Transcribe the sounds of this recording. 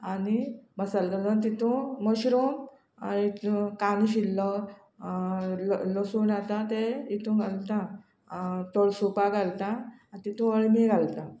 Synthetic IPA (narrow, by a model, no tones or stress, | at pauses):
animəsalt̪alat̪̬it̪ʰũməɕɾum | it̪kanɕilːɔ | llosunat̪at̪eit̪ũɡʱalt̪ã | t̪oɭsupaɡʱalt̪aːt̪it̪ʰũəɭmiɡʱalt̪a